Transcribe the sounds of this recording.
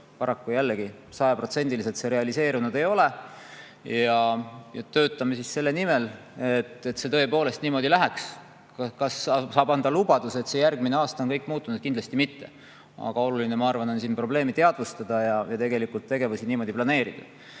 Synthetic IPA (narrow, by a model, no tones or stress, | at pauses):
pɑɾɑkːujælːeɡi | sɑjɑpro̞t̪se̞nʲd̪ilise̞lt̪se̞ɾe̞ɑlise̞ːɾunud̪e̞jo̞le | jɑjɑt̪ø̞ːt̪ːˑɑmesisse̞lːe̞nimel | et̪ːˑe̞t̪se̞t̪ɤ̞epo̞ːle̞st̪niːmo̞d̪̥ilæɦeks | kɑkɑssɑːbɑnd̪ɑlub̥ɑd̪̥use̞t̪se̞jærɡ̥̚mine̞ɑːst̪ɑonkɤjkːˑmuːt̪ːˑunud̪̥̚kind̪lɑst̪imit̪ːe̞ | ɑ̰ɡ̥ɑo̞luline̞mɑɑrvɑno̞nsiːnpro̞ble̞ːmit̪e̞ɑd̪vust̪ɑd̪̥ɑjɑjɑt̪e̞ɡe̞likult̪ːe̞ɡ̥e̞vusiniːmo̞ːd̪iplɑne̞ːɾid̪̥ɑ